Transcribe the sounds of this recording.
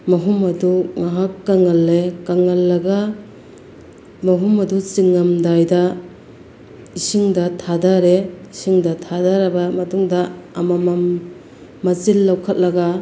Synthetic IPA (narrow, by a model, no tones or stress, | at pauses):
mɐɦumɐduŋaɦakːaŋɐlːekɐŋɐlːɐɡa | mɐɦumɐdut͡ʃiŋɐmdajdɐ | isiŋdɐtʰadaɾeisiŋdɐtʰadaɾɐbɐmɐtuŋdɐːmɐmɐmː | ɐt͡ʃilːawkʰɐt̚lɐɡɐ